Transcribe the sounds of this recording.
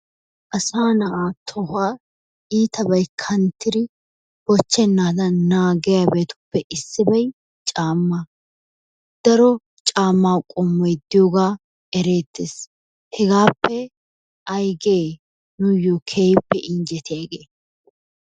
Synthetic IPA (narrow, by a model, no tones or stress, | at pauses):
ʔɐsaːnɐʔaːt̪ʰɔhaː | iːt̪ɐbɐjkʰɐnt̪ːɪɾɪ | bɔt͡ʃːɛnːaːd̪ɐnaːɡɛjabe̞ːt̪ʊ̥pːɛʔɪsːɪbɐj | t͡ʃʼaːmːa | d̪̥ɐɾɔ | t͡ʃʼaːmːaːwkʼɔmːɔjd̪ɪjoːɡaː | ɛɾe̞ːt̪ːeːs | hɛɡaːpːɛ | ʔɐjɡeː | nʊjɔkʰeːjpːɛʔɪnd͡ʒɛt̪ʰɪjaɡeː